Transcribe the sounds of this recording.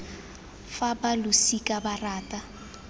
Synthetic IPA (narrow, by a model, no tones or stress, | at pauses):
fabalʊsikʼabaraːtʼa